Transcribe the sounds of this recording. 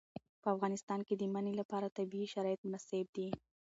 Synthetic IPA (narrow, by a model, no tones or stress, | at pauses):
pəafɣɑnɪst̪ɑnked̪əmanelapɑɾat̪abiːʃaɾɑjɪt̪̚mʊnaseb̚d̪i